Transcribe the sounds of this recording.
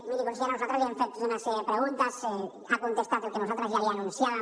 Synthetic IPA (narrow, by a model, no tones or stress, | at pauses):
miðikonsieɾanosot̪ɾsaβiaɱfet̪oðunasejepɾeɣunt̪ase | akont̪est̪aðolkenosot̪ɾazʝaβiaːnũnsjaða